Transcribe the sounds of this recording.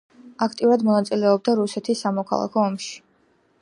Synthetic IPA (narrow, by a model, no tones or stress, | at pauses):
akʰt̪ʼiuɾad̪mɔnat̪sʼilɛɔb̚d̪aɾusɛt̪ʰisːamɔkʰa̰lˠa̰kʰɔːmʃi̥